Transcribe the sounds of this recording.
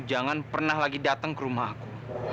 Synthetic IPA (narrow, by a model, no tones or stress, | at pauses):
d͡ʒaŋanpərnahlaɡidat̪əŋkəɾumaɦaku